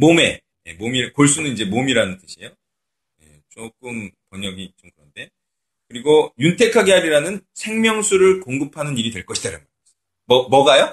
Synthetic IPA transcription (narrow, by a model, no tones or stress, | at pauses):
mome̞̰ | je̞̰momiɾkoɭs̬͈unɯnid͡ʑe̞momiɾanɯnt͈ɯɕʰiejo | je̞̰t͡ɕok͈ɯmpʌɲʌɡit͡ɕomkɯɾʌnde̞ | kɯɾiɡojuntʰe̞kʰaɡe̞ɦaɾiɾanɯnsʰe̞ŋmjʌŋsʰuɾɯɭkoŋɡɯpʰanɯniɾidwe̞ɭk͈ʌɕʰi̥d̥aɾɯnma | mʌmʌɡajo